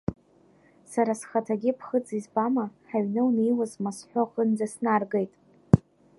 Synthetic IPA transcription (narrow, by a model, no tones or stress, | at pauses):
saɾasχatʰaɡʲɪpʰχəd͡zizbamaħaɥnɨwnejwazmasħʷoχənd͡zasnarɡejtʼ